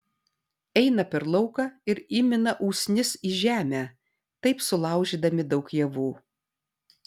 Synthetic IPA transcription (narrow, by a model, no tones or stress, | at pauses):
ɛɪnɐpʲɛɾlˠɐʊkɑːɪɾɪmʲɪnɐʔuːsʲnʲɪsiːʒʲæːmʲæː | t̪ɐɪpsʊlˠɑˑʊʒʲiːd̪ɐmʲɪd̪ɐʊkjɛʋuː